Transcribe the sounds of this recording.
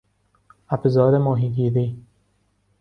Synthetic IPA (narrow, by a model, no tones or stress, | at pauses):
abzɒːd̪emɔːɦiːɡiːɾiː